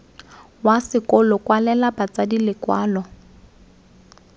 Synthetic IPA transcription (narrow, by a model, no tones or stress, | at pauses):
wasɪkɔlɔkwalɛlabat͡sadilɪkwaːlɔ